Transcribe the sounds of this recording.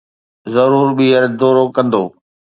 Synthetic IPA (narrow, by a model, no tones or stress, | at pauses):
zɐɾuːɾɓiːəɾd̪oːɾokɐ̃nd̪oː